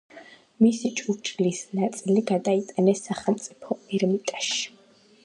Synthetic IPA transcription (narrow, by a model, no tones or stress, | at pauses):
misit͡ʃʼuɾt͡ʃʼilisnat̪sʼiliɡad̪ait̪ʼanɛsːaχɛlˠmt̪sʼipʰɔɛɾmit̪ʼaʃi̥